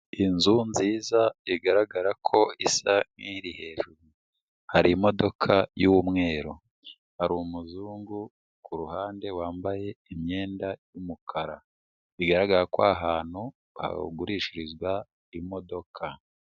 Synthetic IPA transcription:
inzunziːzaiɡaɾaɡaɾakʰo̞isaŋ̥iːɾihe̞ːʒuɾu | haɾimo̞do̞kʰajuwumŋe̞ːɾo | haɾumuzuːŋɡu | kuɾuhaːnde̞waːmbaje̞imɲe̞ːndajumukʰaɾa | iɡaɾaɡaɾakwaɦaːn̥hu | a̰ɡuɾiːʃiɾizɡwa | imo̞do̞kʰa

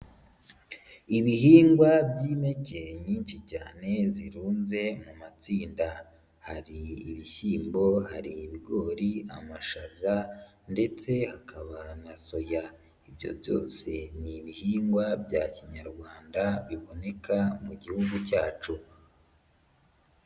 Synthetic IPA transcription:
iβihiːŋɡwabɟiːme̞ce̞ɲiːnʃicaːne̞ziɾuːnze̞mumat͡siːnda | haɾiːβiçiːmbo̞haɾiːβiɡo̞ːɾia̰maʃaza | nde̞t͡se̞hakʰaβanaso̞ja | ibjo̞̰bjo̞̰ːse̞niβihiːŋɡwabɟaciɲaɾɡwaːndaβiβo̞ne̞kamuɟihuɡucaːt͡ʃu

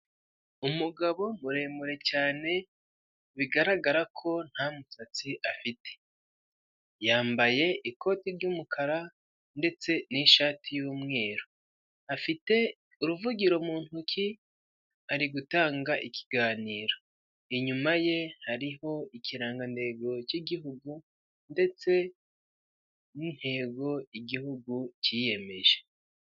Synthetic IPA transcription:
umuɡaβo̞muɾe̞ːmuɾe̞caːne̞ | βiɡaɾaɡaɾakʰo̞n̥hamusat͡siʔafitʰe̥ | jaːmbaje̞iko̞tiɾɟumukʰaɾa | nde̞t͡se̞niʃaːtʰijuːmŋe̞ːɾo | afite̞ | uɾuvuɟiɾo̞muːn̥hukʰi | aɾiɡutaːŋɡaʔikʰi̥ɡaːniːɾo̞ | iɲumaje̞haɾiho̞iciɾaːŋɡande̞ɡo̞ciɡiɦuɡu | nde̞t͡se̞ | nin̥he̞ːɡo̞iɡihuɡucije̞me̞ʒe

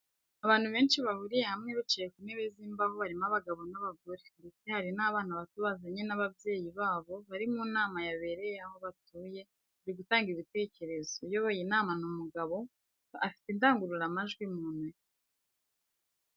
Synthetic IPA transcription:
aβaːn̥huβe̞ːnʃiβahuɾije̞hamŋeβit͡ʃejekumeβeziːmbaho̞βaɾimaβaɡaβo̞naβaɡoɾeɾet͡sehaɾinaːβaːnuaβatuβazaɲenaβabje̞ːjiβaːβo̞βaɾimunaːmajaβe̞ɾe̞jeaho̞βatuːje̞ | aɾiɡutaːŋɡiβite̞ːce̞ɾe̞zojo̞βojinaːmanumuɡaβo̞ | afi̥tindaːŋɡuɾuɾamaʒɡwimuːnwe

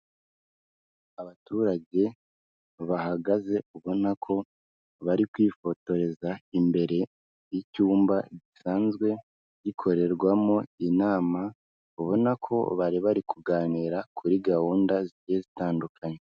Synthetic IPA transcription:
aβatuːɾaɟe̞ | βaɦaɡaze̞uβo̞nakʰo̞ | βaɾikwiːfo̞to̞ɾe̞zaimbe̞ɾe̞ | jicuːmbaɟisaːnzɡwe̞ | ɟikʰo̞ɾe̞ɾɡwamo̞inaːma | uβo̞nakʰo̞̰βaɾiβaɾikʰuɡaːniːɾakʰuɾiɡahuːndazijezitaːndukʰaɲe

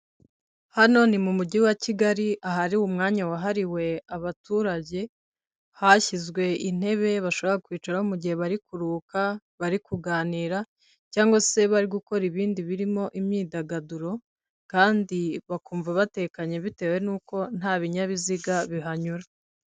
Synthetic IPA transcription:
hano̞nimumuɟiwaciɡaɾiʔaɦaɾiwumŋaːɲawaɦaɾiwe̞aβatuːɾaɟe̞ | haçizɡwe̞ʔin̥e̞βe̞βaʃo̞βoɾakwiːt͡ʃaɾaomuɟihe̞βaɾikuɾuːka | βaɾikuɡaːniːɾa | caːŋɡose̞βaɾiɡuko̞ɾiβiːndiβiɾimo̞ʔimɲiːdaɡaduɾo̞ | kaːndiβakuːɱvaβatekaɲe̞βite̞ːwe̞nuːko̞n̥haːβiɲaβiziɡaβiɦaɲuɾa

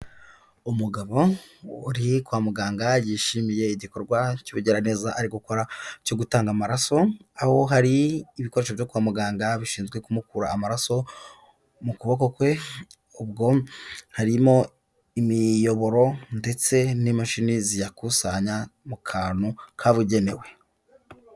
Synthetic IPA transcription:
umuɡaβo̞ːɾikwaːmuɡaːŋɡajiːʃimije̞iɟikoɾɡwacuβiɟeɾane̞zaʔaɾiɡuko̞ɾaco̞ɡutaːŋɡamaɾaso̞aho̞ɦaɾiːβiko̞ɾeʃ̬ovjokwaːmuɡaːŋɡaβiʃiːnzɡwe̞kumukuɾaːmaɾaso̞ | mukuβo̞ko̞kwe̞ | ubɡo̞haɾimo̞ | imijo̞βo̞ɾo̞nde̞t͡se̞nimaʃinizijakusaɲamukʰaːnukʰaβuɟe̞ne̞we̞

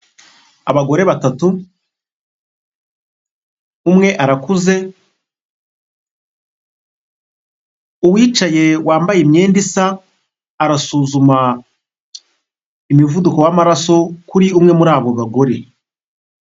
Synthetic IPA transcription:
a̰βaɡo̞ɾe̞βatatu | umŋe̞ʔaɾakuze̞ | uβwiːt͡ʃaje̞wʔaːmbajemɲe̞ːndisaː | ɾasuːzuma | imivudukowamaɾaso̞kuɾiumŋe̞muɾaːβo̞βaɡo̞ɾe̞

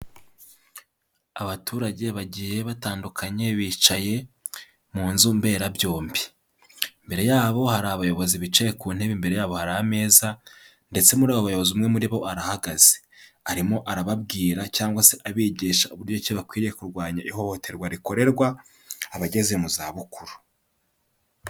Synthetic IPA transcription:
aβatʰuːɾaɟe̞βaɟije̞βataːndukʰaɲe̞βiːt͡ʃaje̞ | muːnzumbe̞ːɾabjo̞ːmbi | mbe̞ɾe̞jaːβo̞haɾaβajo̞βo̞ziβit͡ʃaje̞kuːn̥he̞βimbe̞ɾe̞jaːβo̞haɾaame̞ːza | nde̞t͡se̞muɾaːβoβajo̞βo̞ziumŋe̞muɾiβo̞aɾahaɡaze̥ | aɾimo̞ʔaɾaβabɡiːɾacaːŋɡwase̞ʔaβiːɟiːʃauβuɾɟo̞ciβakwiːɾije̞kuɾɡwaːɲaʔiho̞ho̞tʰe̞ɾɡwaɾiko̞ɾe̞ɾɡwa | aβaɟe̞ze̞muzaːβukuɾu

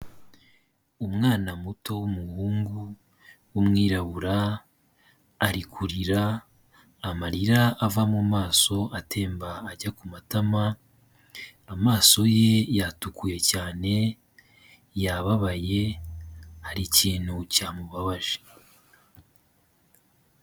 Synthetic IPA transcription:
umŋaːnamuto̞wumuhuːŋɡu | wumŋiːɾaβuɾa | ɾikʰuɾiɾaː | maɾiɾaʔːvamumaːso̞atʰe̞ːmbaːɟakumatama | amaːso̞je̞jatukuje̞caːne̞ | jaβaβaje̞ | haɾiciːn̥hucaːmuβaβaʒe̥

